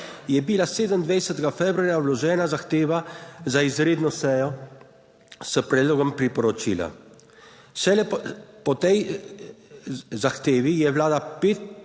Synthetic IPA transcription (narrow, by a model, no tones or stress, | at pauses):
jɛbilaseːd̪əmd̪ʋɛjsɛt̪ɛɡafɛbɾuaɾjawlɔʒɛːnazaxt̪eːʋazaizɾeːd̪nɔsɛjɔ | səpɾɛd̪loɡɔmpɾipɔɾɔt͡ʃḭla̰ | ʃɛlɛpɔt̪ɛj | zaxt̪eːʋijɛwlaːd̪apeːt̪̚